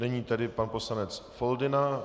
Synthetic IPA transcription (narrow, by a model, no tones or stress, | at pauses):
nɛɲiːt̪adɪpanposlanɛt͡sfoldɪna